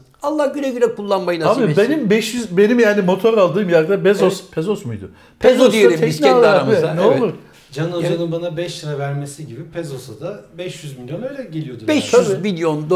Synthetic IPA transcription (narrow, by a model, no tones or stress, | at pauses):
alˠːahɟyɾɛɟyɾɛkʰulˠːanmajɯnaabibenimbɛʃjyzbe̞nimjaːnimo̞t̪ʰo̞ɾalˠd̪ɯːmjaɾd̪abɛzospʰezosmujd̪ʊ̰ | pʰeɛzosd̪ieɾiɛinɛlaɾamaneouɾ | d͡ʒanod͡ʒanɯnbanabɛʃɯɾavæɾmesiɟibipʰezosad̪abɛʃjyzmilʲijo̞nø̞jlʲɛɟelʲijo̞d̪ubɛʃjyzmilʲjond̪